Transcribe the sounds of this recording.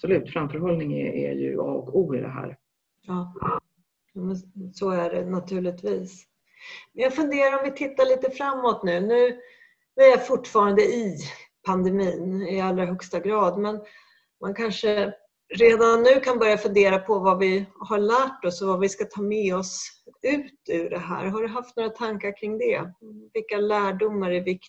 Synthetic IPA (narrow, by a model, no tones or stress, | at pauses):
sɔlʉ̟ːt̪fɾamfœɾhɔlnɪŋɛ̰æ̰jɵ̰ɑ̰ːɔkuːɪd̪ɛ̰ɦæ̰ːɾ | jɑː | juːmɛnsɔæɖɛnat̪ʰʉ̟ːɭɪt̪viːs | mɛnjaɡfɵnd̪eːɾaɾɔmvɪt̪ʰɪt̪ːaɭiːt̪əfɾamːɔt̪nʉ̟ːnʉ̟ː | nʉæɾjafʊʈːfɑːɾand̪əɪpʰand̪ɛmiːnɪalːɾaɦœkst̪aɡɾɑːd̪mɛn | mʔankʰanʂə | ɾeːd̪anːʉ̟ːkʰanbœɾjafɵnd̪eːɾapʰɔvavɪhaɭæːʈɔsɔvavɪskat̪ʰɑːmɛɔsʉ̟ːt̪ʉɖɛɦæ̰ːɾɦaɖɵɦaft̪noːɾat̪ʰaŋkaɾkʰɾɪŋd̪ɛvɪlkːalæːɖʊmːaɾɛvɪk̪